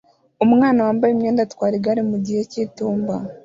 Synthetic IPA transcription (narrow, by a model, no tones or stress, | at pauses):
umŋaːnawaːmbajimɲeːndatwaːɾiɡaɾimuɟihecituːmba